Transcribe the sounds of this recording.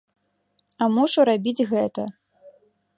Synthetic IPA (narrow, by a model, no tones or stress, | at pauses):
ɐmuʂuɾabʲid͡zʲɣɛt̪ɐ